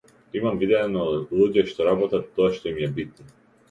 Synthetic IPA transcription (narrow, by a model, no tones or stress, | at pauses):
imamvid̪ɛnɔlˠuɟɛʃt̪ɔɾabɔt̪at̪ːɔaʃt̪ɔimjɛbit̪̚ni